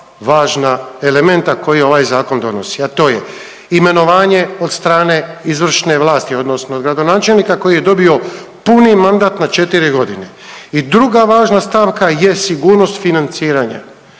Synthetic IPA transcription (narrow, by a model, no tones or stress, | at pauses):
ʋaːʒnaele̞me̞nt̪ako̞jio̞ʋaːjzaːko̞nd̪o̞̰no̞siat̪o̞ːje | ime̞no̞ʋaːɲe̞od̪st̪ɾaːne̞izʋr̩ʃne̞ʋlˠaːst̪io̞d̪no̞snood̪ɡɾad̪o̞naːt͡ʃe̞lnikako̞jije̞d̪o̞bio̞punimand̪at̪nat͡ʃe̞t̪iɾiɡo̞d̪ine̞ | id̪ɾuɡaʋaːʒnast̪aːʋkaje̞siɡuːɾno̞st̪finant̪siːɾaɲa̰